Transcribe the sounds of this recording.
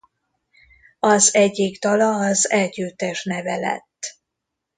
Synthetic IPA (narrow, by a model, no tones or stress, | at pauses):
ɒzɛɟːikt̪ɒlɒːzɛlɟyːt̪ːɛʃnɛvɛlɛ̰t̪ː